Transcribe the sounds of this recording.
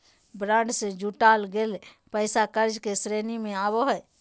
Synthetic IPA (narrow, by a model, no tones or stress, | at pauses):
bɾãːɳɖsẽd͡ʒuʈalɡel | pəɪsakəɾd͡ʒkesɾenimẽaboɦəj